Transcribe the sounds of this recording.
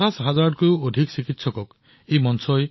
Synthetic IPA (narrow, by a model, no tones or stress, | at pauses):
asɦazaɹɖ̚kuodʱiksikitsɔkɔk | ejmɔnsɔj